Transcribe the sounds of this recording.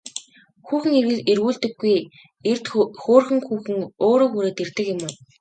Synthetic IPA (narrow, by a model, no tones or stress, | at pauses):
xuːxɘ̆ŋerɣɘ̆ɮerɣuːɮt̪ɘ̆ɡːuj | ert̪xoːrxɘ̆ŋxuːxɘ̆ŋoːɾoːxuɾeːt̪ert̪ɘ̆kjɪ̆mɘn